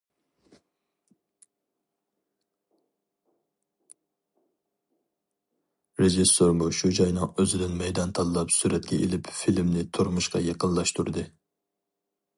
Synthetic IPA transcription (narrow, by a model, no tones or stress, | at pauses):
ɾeʒisːoɾmuʃud͡ʒɑjnɨŋøzɪd̪ɪnmɛjd̪ɑnt̪ʰɑlˠɨlˠɑpsyɾɛt̪kʲɛ̰ʔelɪpfilmnɪt̪ʰoɾmuʃqɑ̰jeqənlˠɑʃt̪uɾd̪ɨ